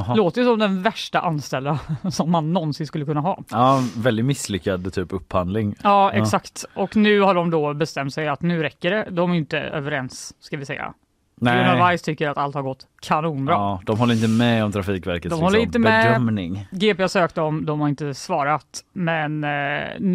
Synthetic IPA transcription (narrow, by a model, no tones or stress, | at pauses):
loːt̪əjʉsɔmd̪ɛnvæʂʈaʔanst̪ɛld̪asɔmːanːɔnsɪnskɵlːkɵnːaɦɑ̰ːvɛld̪ɪmɪslʏkːad̪ət̪ʰyːpɵpːhand̪lɪŋɑːɛksakt̪ʔɔknʉ̟ːhaɖɔmd̪ɔbɛst̪ɛmt̪sɛjat̪nʉ̟ːɾɛkːəɖɛd̪ɔmæɾɪnt̪ə̰ø̰ːvəɾɛnsːkavɪsɛ̰jːa̰ | navajst̪ʰʏkːəɾat̪alt̪haɾɡɔt̪ːkʰanuːnbɾɑd̪̥ɔmɦɔlːəɾɪnt̪əmɛɔmt̪ʰɾafiːkvæɾkət̪d̪ɔmhɔlːəɪnt̪ːəmɛdmnɪŋɡeːpeasøːkt̪ɔmd̪ɔmhaɾɪnt̪əsvɑːɾat̪mɛn